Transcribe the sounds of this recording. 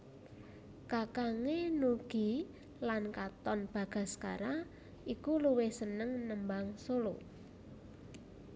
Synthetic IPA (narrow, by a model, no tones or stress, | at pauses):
kakaŋenuɡ̥i̤ | lankat̪ɔnb̥a̤ɡ̥a̤ska̰ɾa | ʔikuluwɪhsənəŋnəmbaŋsolo̰